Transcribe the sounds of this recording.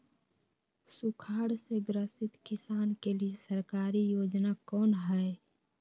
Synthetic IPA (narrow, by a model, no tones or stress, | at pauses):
sukʰaːɽseɡɾəsɪt̪kɪsaːnkeliesəɾkaːɾijoːd͡ʒnakɔːnɦɛ